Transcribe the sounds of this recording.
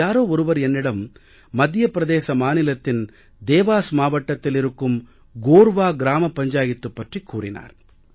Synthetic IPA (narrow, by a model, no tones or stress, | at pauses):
aːɾoːɔɾɯʋɐɾenːiɽɐmː | ɐd̪ʱjɐpɾɐd̪ɛeːʃɐmaːnilɐt̪ːin | d̪ɛːʋaːsɐmaːʋɐʈːɐt̪ːiliɾɯkːɯm | ɡoːɾʋaːɡɾaːmɐpɐɲd͡ʒaːjit̪ːupːɐʈrikːuːɾḭna̰ːɾ